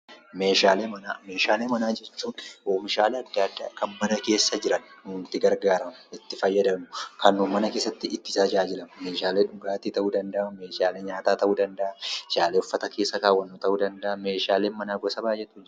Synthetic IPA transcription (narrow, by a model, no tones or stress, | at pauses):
me̞ːʃaːleːmɐnaːmeːʃaːleːmɐnaːd͡ʒɛt͡ʃːuːnʔoːmɪʃaːleːɐd̪ːad̪ːa̰ːkɐmbɐd̪ɐke̞ːsːɐd͡ʒɪɾɐnnʊnt̪ɪɡɐɾɡaːɾɐmɐɪt̪ːɪfɐjːɐd̪ɐnʊkɐnːuːmɐnɐke̞ːsːɐt̪ːɪɪt̪ːɪsaːd͡ʒaːd͡ʒɪlɐmɐme̞ːʃaːleːᶑʊɡʼaːt̪ɪt̪ɐʔuːd̪ɐnd̪ɐʔɐme̞ːʃaːleːɲaːt̪aːt̪ɐʔuːd̪ɐnd̪ɐʔɐd͡ʒaːleːʊfːɐt̪ɐkʰe̞ːsːɐkaːwːɐnːoːt̪ɐuːd̪ɐnd̪ɐʔɐme̞ːʃaːleːnmɐnaːɡɔsɐbaːjɛt̪ːʊd͡ʒ